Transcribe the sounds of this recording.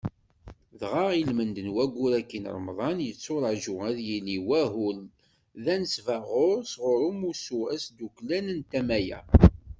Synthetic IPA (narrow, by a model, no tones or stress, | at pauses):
ðʁɑʁilmənd̪ənwæɡʷːʊɾækːin̰ɾˤəmðˤɑnjət͡sːʊɾˤəʕʒʊʁæðjiliwæɦul | ðænəsvæʁoɾsʁʊɾumusuæsd̪uklænənt̪æmæjæ̰